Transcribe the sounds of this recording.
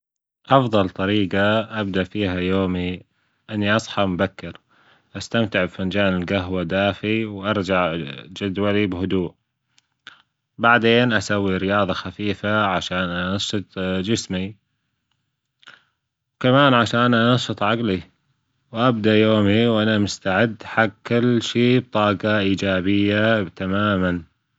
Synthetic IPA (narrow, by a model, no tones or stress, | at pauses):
ʔɑfðˤɑlt̪ˤɑɾiːɡaʔab̚d̪aʔfiːɦajoːmi | ʔɪnːiʔɑsˤħɑmʊbakːɪɾ | ʔast̪amt̪ɪʕbfand͡ʒaːnɪlɡaɦwad̪aːfiwʔɑɾˤd͡ʒaʕd͡ʒad̪walibhʊd̪uːʔ | baʕd̪eːnʔasawːiɾɪjɑːðˤɑxafiːfaʕaʃaːnʔanɑʃːɨt̪ˤd͡ʒɪsmi | kamaːnʕaʃaːnʔɑnɑʃːɨt̪ˤʕaɡli | wʔab̚d̪aʔjoːmiwʔanamʊst̪aʕɪd̪ːħaɡkːɪlːʃiːb̚t̪ˤɑːɡɑʔiːd͡ʒaːbɪjːat̪amaːman